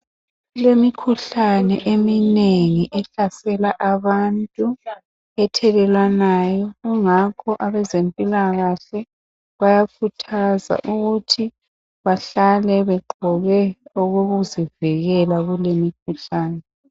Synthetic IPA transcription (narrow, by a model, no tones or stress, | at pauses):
ɣulemikʰuɬanɛ̰ʔemineŋiʔɛɬasɛlaʔaβantʼu | ɛtʰɛlɛlwanaːjɔɣuŋakʰɔʔaβɛzempʼilaɣaɬɛ | βajakʰutʰaza̰ʔuɣutʰi | βaɬalɛβɛǃɔɣɛuɣoɣuziviɣɛlaɣulemikʰuɬaːnɛ